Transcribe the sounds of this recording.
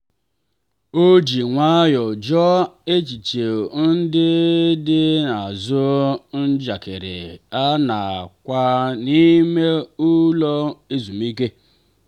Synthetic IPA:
o˦d͡ʒi˨ŋʷa˦jɔ˨d͡ʒɔ˦e˦t͡ʃi˨t͡ʃe˨n̩˦dɪ˦dɪ˦na˨zʊ˦n̩˦d͡ʒa˨kɪ˨ɾɪ̰˨a˦na˨kʷa˦ni˦me˦u˦lɔ˦e˦zu˨mi˦ke˦

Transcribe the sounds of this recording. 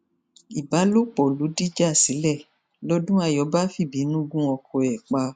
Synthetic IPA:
i˨ba˨˦lo˦k͡pɔ˨lu˨˦di˦d͡ʒa˦˨si˨˦lɛ˦˨ | lɔ˦dũ˦a˧jɔ˨˦ba˦fi˦˨bi˨˦nũ˦ɡũ˦ɔ˧kʰɔ˧ɛ˨k͡pa˧

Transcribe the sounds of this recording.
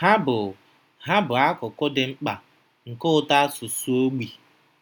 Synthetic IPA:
ha˦bʊ˨ | ɦa˦bʊ˨a˦kʊ˨kʊ˦dɪ˨ŋ͡m̩˦k͡pa˨ | ŋ̩˨kʊ˦ta˦sʊ˨su˦o˦ɡ͡bi˨

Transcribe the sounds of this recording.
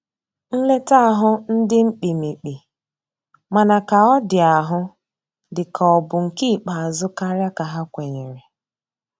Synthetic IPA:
n̩˦le˦ta˦a˨ɦʊ˦n̩˦dɪ˦ŋ͡m̩˦k͡pi˨mi˨k͡pi˨ | ma˨na˨ka˨ɔ˦dɪ˨a˨ɦʊ˦ | dɪ˨kʰa˨ɔ˨bʊ˨ŋ̩˨ki˦˨k͡pa˨a˨zʊ˦ka˦ɾja˦ka˨ɦa˦kʷe˨ɲe˨ɾe˨

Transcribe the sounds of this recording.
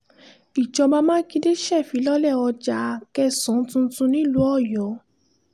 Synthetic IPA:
i˨t͡ʃɔ˧ba˦˧mãː˦kĩ˧de˦ʃɛ˦˨fi˨˦lɔ˦lɛ˦˨ɔ˧d͡ʒa˧˦˧kɛ˧sɔ̃˨˦tũ˧˦tũ˧nĩ˦lu˦ɔ˦˨jɔ˨˦

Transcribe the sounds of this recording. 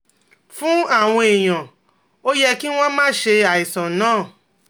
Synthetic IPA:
fũ˦a˦˨w̃ɔ̃˧e˨j̃ã˨ | o˦jɛ˦ki˦w̃ɔ̃˦mãː˦ʃe˧a˨i˨sɔ̃˨nãː˦˨

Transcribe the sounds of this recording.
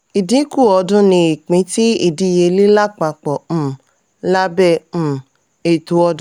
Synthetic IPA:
i˨dĩ˨˦ku˦˨ɔ˧dũ˦nĩ˧i˨k͡pĩ˨˧˦ti˦i˦˨dĩ˧˦˨je˧li˦la˦k͡pa˧k͡pɔ̃˨ | la˦bɛ̃˦˨ | e˨tu˨˦ɔ˧d̃

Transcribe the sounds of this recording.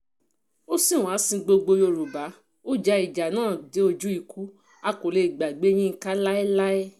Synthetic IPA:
o˦si˦˨w̃ã˨˦sĩ˧ɡ͡bo˧ɡ͡bo˧jo˧ɾu˨ba˨˦ | o˦d͡ʒa˧˦i˨d͡ʒa˨nãː˦˨de˨˦o˧d͡ʒu˦i˦˧kʰu˨˦ | a˧ko˨le˧i˨ɡ͡ba˨ɡ͡be˦j̃ĩ˦ŋ̩˧˦ka˦la˦ɛ˦la˦ɛ˦

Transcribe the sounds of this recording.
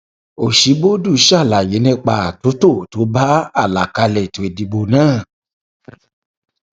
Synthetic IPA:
o˨ʃi˨˦bo˦du˦˨˦ʃa˦˨la˨je˨˦nĩ˦˧k͡pa˧a˨to˨˦to˦˨to˨˦ba˦a˦˨la˨ka˧lɛ˨to˨e˨di˧ɡ͡bo˧˨nãː˦˨

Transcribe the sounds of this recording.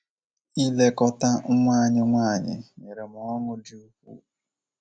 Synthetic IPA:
i˦le˦kɔ˦ta˦ŋ̩˦ŋʷaː˦˨ɲɪ˦ŋʷaː˦˨ɲɪ̰˨ɲe˨ɾe˨m˨ɔ˦ŋʊ˦di˦u˦kʷṵ˦

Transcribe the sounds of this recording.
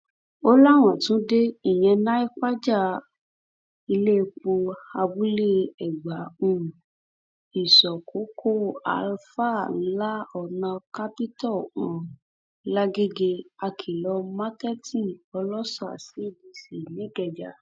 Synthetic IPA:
o˦la˦˨w̃ɔ̃˨tũ˦de˦i˦˨j̃ɛ̃˧nã˦i˦k͡pa˦d͡ʒa˦˨ | i˧le˦˧k͡po˧a˧bu˦le˦ɛ˨ɡ͡ba˨˦ũ˦˨ | i˨sɔ˨kʰo˨˦kʰo˦˨a̰˨˧lfa˦˨˦la˦ɔ˨nã˧ka˦pi˦tɔ˦˨ũ˨˦ | la˦ɡe˦ɡe˧a˧kʰi˨lɔ˧ma˦kɛ˦tĩ˦˨ɔ˧lɔ˦sɔ˦˨a̰˨si˦˨bi˧si˨nĩ˨˦ɡɛ˨d͡ʒa˨

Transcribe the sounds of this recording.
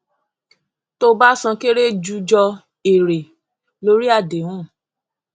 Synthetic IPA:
to˧ba˦sã˧ke˦ɾe˦d͡ʒu˧d͡ʒɔ˧ | e˨ɾe˨ | lo˦ɾi˦a˦˨de˨wũ˦˨

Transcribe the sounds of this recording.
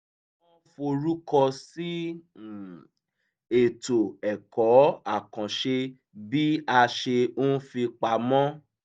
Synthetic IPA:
ɔ̃˦fo˧ɾu˦kɔ˧si˦˨ | e˨to˨ɛ˨kɔ˨˦a˦˨kã˨ʃe˧ | bi˦a˧ʃe˧õ˦fi˧k͡pa˧mɔ̃˦

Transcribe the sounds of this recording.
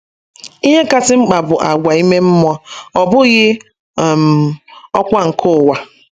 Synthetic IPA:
i˦ɲe˦ka˦tɪ˦ŋ͡m̩˦k͡pa˨bʊ˨ʔa˨ɡʷa˨i˦me˦m̩˦mɔ˦ɔ˨bʊ˦ɣɪ˦˨ | m˨ɔ˦kʷa˦ŋ̩˨kʰʊ˦˨wa˨

